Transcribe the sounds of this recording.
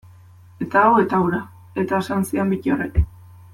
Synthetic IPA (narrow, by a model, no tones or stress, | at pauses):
e̞t̪aːwe̞t̪awɾa | e̞t̪aesansiambicioreke